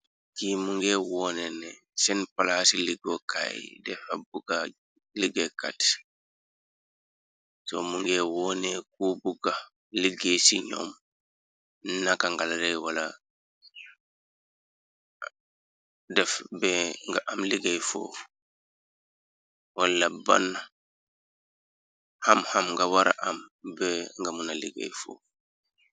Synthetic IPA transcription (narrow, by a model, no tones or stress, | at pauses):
kimuŋɡɛwɔnɛnɛ | sɛnpalasiliɡoka̰jdɛfabuɡa | liɡɛka̰t | sɔ̰muŋɡɛːwɔːnek̚uːbuɡa | liɡesiɲɔ̰m | nakaŋɡalɾɛjwala | dɛfbɛŋɡaʔamliɡejfo̰ː | walːaba̰nːa | hamhamŋɡawaɾa̰ʔambɛŋɡamunalḭɡḛjfo̰ː